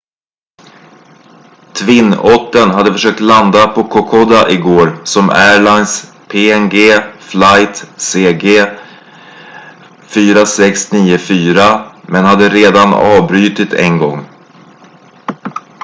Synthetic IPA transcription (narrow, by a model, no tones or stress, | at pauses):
t̪ʰvɪnːɔt̪ːənɦad̪ːəfœʂøːk̚t̪land̪apʰɔkʰɔkʰɔd̪aʔɪɡoːɾsɔmæːɭajns | pʰeːɛnɡeːflajt̪seːɡeː | fyːɾasɛksniːʊfyːɾamɛnhad̪ːəɾeːd̪anɑ̰ːvbɾyːt̪ɪt̪ʰɛ̰nɡɔŋː